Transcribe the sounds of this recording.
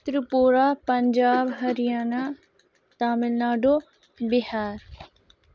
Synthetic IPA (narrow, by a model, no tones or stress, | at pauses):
t̪ɾəpoːɾaːpəɲd͡ʒaːbɦɐɾɪjaːnaː | t̪aːmɪlnaːɖoː | bɪɦaːɾ